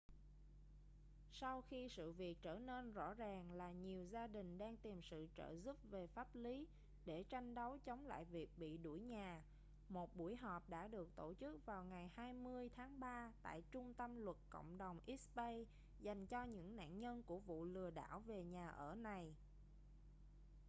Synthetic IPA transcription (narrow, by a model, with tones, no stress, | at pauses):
sa˧wxi˧sɨ̰˧˨vi˨˩ək̚t͡ɕəː˧˩ne˧nzɔ̰˧˥zaː˨˩ŋlaː˨˩ɲi˨˩əwzaː˧ɗï˨˩ŋ̟ɗaː˧ŋt̪i˨˩msɨ̰˧˨t͡ɕə̰ː˧˩zu˦˥p̚ve˨˩faː˦˥p̚li˨˦ | ɗe˧˩t͡ɕa˧jŋ̟ɗə˨˦wt͡ɕə˨˦wŋ͡mla̰ː˧˨jvi˨˩ək̚ɓḭ˧˨ɗu˧˩əjɲaː˨˩ | mo˨˩t̚ɓu˧˩əjɦɔ˨˩p̚ɗa̰ː˧˥ɗɨ˨˩ək̚t̪o˧˩t͡ɕɨ˦˥k̚vaː˨˩wŋa˨˩jhaː˧jmɨ˧əjt̪ʰaː˨˦ŋɓaː˧t̪a̰ː˧˨jt͡ɕʊ˧ŋ͡mt̪ə˧mlwə˨˩t̚kə̰˧˨wŋ͡mɗə˨˩wŋ͡mʔi˦˥pə˧j | za˨˩jŋ̟t͡ɕɔ˧ɲɨ̰˧˥ŋna̰ː˧˨nɲə˧nku˧˩əvṵ˧˨lɨ˨˩əɗa̰ː˧˩wve˨˩ɲaː˨˩ʔəː˧˩na˨˩j